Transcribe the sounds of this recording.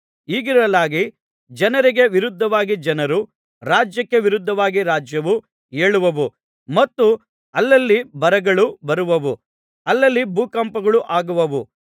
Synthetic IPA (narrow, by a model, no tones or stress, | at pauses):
iːɡiɾɐlaːɡi | d͡ʒɐnɐɾiɡe̞ʋiɾud̪ʱːɐʋaːɡid͡ʒɐnɐɾu | ɾaːd͡ʒjɐkːe̞ʋiɾud̪ʱːɐʋaːɡiɾaːd͡ʒjɐʋu | e̞ːɭuʋɐʋu | mɐt̪ːu | ɐlːɐlːibɐɾɐɡɐɭubɐɾuʋɐʋu | ɐlːɐlːibuːkɐmpɐɡɐɭuʔaːɡuʋɐʋu